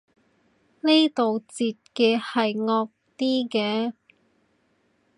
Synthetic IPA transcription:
ne˥jt̪o˨wt͡siː˨t̚kɛː˧hɐ˨jŋɔː˧k̚t̪iː˥kɛː˧

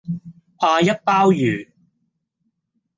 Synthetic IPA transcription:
pʰaː˧jɐ˥t̚paː˥wjyː˨˩

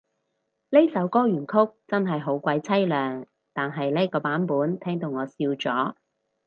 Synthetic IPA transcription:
le˥sɐ˨˥wkɔː˥jyː˨˩nkʰʊ˥k̚t͡sɐ˥nɦɐ˨jɦo˨˥wkʷɐ˧jt͡sʰɐ˥jlœː˨ŋ | t̪aː˨nɦɐ˨jle˥jkɔː˧paː˨˥npuː˨˥nt̪ʰɛː˥ŋt̪o˨˧wŋɔː˨˧siː˧wt͡sɔː˨˥

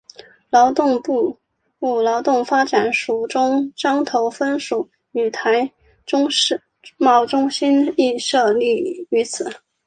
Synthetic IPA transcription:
lɑ˧˥ʊt̪ʊ˥˧ŋpu˥˧ | u˥˩lɑ˧˥ʊt̪ʊ˥˩ŋfa˥ʈ͡ʂa˨˩nʂu˨˩ʈ͡ʂʊ˥ŋʈ͡ʂɑ˥ŋt̪ʰo˧˥ʊfə˥nʂu˨˩˦ | y˨˩t̪ʰa˧˥ɪ | ʊ˥ŋ˥ | mɑ˥˩ʊʈ͡ʂʊ˥ŋɕi˥ni˥˧ʂɤ˥˧li˥˩y˧˥t͡sʰɹ̩˨˩˦

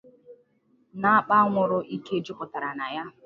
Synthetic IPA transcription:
na˦a˦k͡pa˦ŋʷʊ˨ɾʊ˦ʔi˦ke˦d͡ʒʊ˦pʊ˨ta˨ɾa˨na˨ja˦

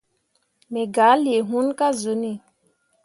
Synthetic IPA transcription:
mɛ˨ɡa˨˦li˨e˨ɦu˦nka˦zo˨˦ni˨

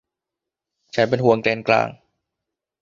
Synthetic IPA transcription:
t͡ɕʰa˦np̬e˧nhu˨˧˦əŋklɛː˧nkla̰ː˧ŋ

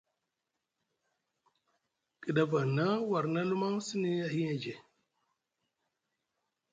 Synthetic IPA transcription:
ki˨da˦va˨na˦wa˨ɾna˦lu˦ma˦ŋsi˦ni˦a˨ɦi˦a˨d͡ʒe˨

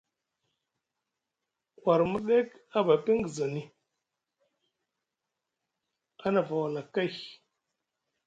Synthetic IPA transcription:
wa˨ɾmu˦ɗe˦ka˦ba˨pi˦ŋ˦ɡi˨za˨ni˦ | a˦na˨va˨wa˨la˨ka˦˨

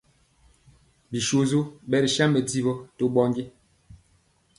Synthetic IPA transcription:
bi˨ʃo˦zo˦bɛ˦ɾi˨ʃa˦mbɛ˨di˦bɔ˦to˦ɓɔ˦ŋɡe˦

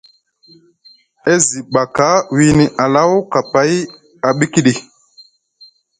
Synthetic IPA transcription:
e˦zi˨ɓa˨ka˨˦wi˨ni˨ʔa˨la˦wka˨pa˨˦j | a˨ɓi˦ki˦ɗi˨

